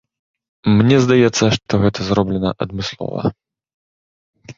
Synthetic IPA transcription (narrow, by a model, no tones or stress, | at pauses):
mnʲɛzd̪ajɛt̪sːɐʂt̪ɔɣɛt̪ʰɐzɾɔblʲɛnɐʔɐd̪mɨslˠɔ̰vɐ̰